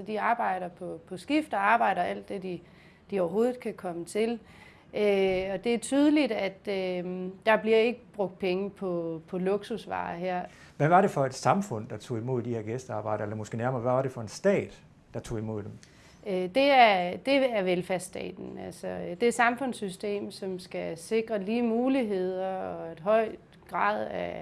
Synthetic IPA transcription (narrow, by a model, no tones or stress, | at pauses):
sɒ̽d̥iɑ̈ːb̥ɑ̈ɪ̰ɾ̥ɐpʰɒ̽pʰɒ̽sɡ̥ifd̥ɐɑ̈ːb̥ɑ̈ɪ̰ɾ̥ɐʔæl̰d̥ːe̝d̥i | d̥iɒʊɐɦo̝ːð̩ˠkʰækʰɒ̽mət͡sʰe̝l | ʔøɒ̽d̥e̝æɐt͡sʰyːð̞ˠəlid̥æd̥ød̥ɑ̈b̥liɐe̝ɡ̥əb̥ʁɔ̽ɡ̥̚d̥̚pʰeŋəpʰɒ̽pʰɒ̽loɡ̥susʋɑ̰̈ːɦeɐ̰ | ʋæʋɑ̈ɾe̝fɒ̽ed̥sɑ̈mfɔ̽n̰d̥ɑ̈t͡sʰo̝̰ːimo̝ð̞̰ˠd̥ihe̝ɐ̰ɡ̥esd̥əɑ̈ːb̥ɑ̈ɪ̰ɾ̥əelɐmɔ̽sɡ̥e̝̰ːnæɐmɐʋæʋɑ̈ɾ̥e̝fɒ̽e̝nsd̥ɛ̰ːd̥ | d̥ɑ̈t͡sʰo̝̰ːimo̝ð̰ˠd̥em | ød̥e̝æɐd̥e̝æɐʋelfæɐsd̥ɛ̰ːd̥n̩ælsɒd̥e̝æsɑ̈mfɔ̽n̰sysd̥e̝̰ːmsɒ̽msɡ̥æse̝ɡ̥ʁɐliːmuːliɦe̝ð̞̰ˠɐɒ̽e̝d̥ɦɒ̽ɪ̰ | ɡ̥ʁɑ̰̈ːð̰ˠæ